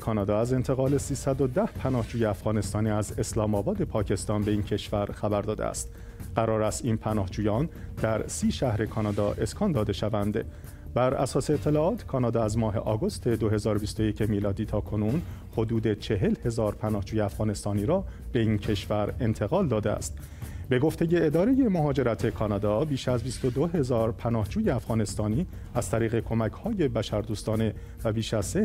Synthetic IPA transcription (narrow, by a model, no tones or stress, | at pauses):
kʰɒːnɒːd̪ɒːæze̞nt̪ʰe̞ɣɒːlesiːsæd̪o̞d̪æhpʰænɒːhd͡ʒuːjeæfɣɒːne̞st̪ɒːniːæze̞slɒːmɒːbɒːd̪e̞pʰɒːcʰe̞st̪ɒːnbe̞iːncʰe̞ʃvæɾxæbæɾd̪ɒːd̪ḛæ̰st̪ | ɢ̥æɾɒːɾæst̪iːnpʰænɒːhd͡ʒuːjɒːnd̪̥æɾsiːʃæhɾe̞kʰɒːnɒːd̪ɒːʔe̞skʰɒːnd̪ɒːd̪e̞ʃævænd̪e | bæɾæ̰sɒːseːt̪ʰːe̞lɒːɒːt̪ʰkʰɒːnɒːd̪ɒːæzmɒːɦe̞̰ʔɒːɡo̞st̪ʰe̞d̪o̞ɦe̞zɒːɾo̞bist̪o̞jecʰemiːlɒːd̪iːt̪ʰɒːkʰo̞nunho̞d̪uːd̪e̞t͡ʃʰe̞ɦe̞lhe̞zɒːɾpʰænɒːhd͡ʒuːjeæfɣ̥ɒːne̞st̪ɒːniːɾɒːb̥e̞iːncʰe̞ʃvæɾe̞nt̪ʰe̞ɣɒːld̪ɒːd̪eæ̰st̪ | be̞ɡo̞ft̪e̞je̞ːd̪ɒːɾe̞je̞mo̞ɦɒːd͡ʒeɾæt̪ʰe̞kʰɒːnɒːd̪ɒːbiːʃæzbist̪o̞d̪o̞ɦe̞zɒːɾpʰænɒːhd͡ʒuːje̞æfɣɒːne̞st̪ɒːniː | æz̥t̪ʰæɾiːɣe̞kʰo̞mæcʰhɒːje̞bæʃæɾd̪uːst̪ɒːne̞ | væbiːʃæz̥se